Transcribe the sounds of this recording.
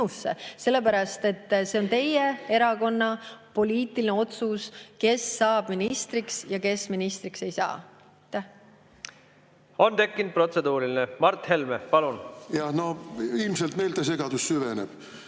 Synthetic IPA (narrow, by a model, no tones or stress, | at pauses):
usːḛse̞lːe̞pæɾɑst̪e̞t̪ːse̞o̞nt̪e̞jee̞ɾɑko̞nːɑpo̞lʲiːt̪ːˑilineo̞t̪suske̞sːɑːb̥minist̪riksjɑke̞sminist̪ɾikse̞jsɑ̰ː | t̪ːæ | o̞nt̪e̞kːind̪̚pro̞t̪se̞d̪̥uːɾilinemɑrt̪ːhe̞lmepɑlunjɑhno̞ilmselt̪mejlt̪ɑse̞ɡɑd̪̥ussyvenḛb̥